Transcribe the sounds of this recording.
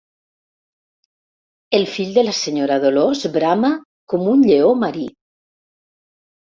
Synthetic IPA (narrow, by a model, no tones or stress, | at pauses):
elˠfiʎd̪elaseɲoɾaðolozbɾama | komunʎeomaɾi